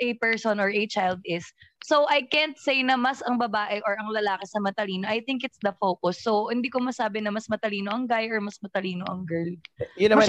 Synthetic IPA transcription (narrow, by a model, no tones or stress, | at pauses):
ʔɛpɛɹsonɔɹɐt͡ʃajld̪ɪsːowʔɐjkɛnt̪̚sejnɐmɐsɐŋbɐbaːʔɛʔɔɹɐŋlɐlaːkɪsɐmɐt̪ɐliːno̞ʔɐjθɪŋkɪt̪sd̪ɐfowkʊsːowhɪnd̪iːkomɐsaːbɪnɐmɐsmɐt̪ɐliːnoʔɐŋɡajʔɔɹmɐsmɐt̪ɐliːnoʔɐŋɡɛɹljʊnːɐma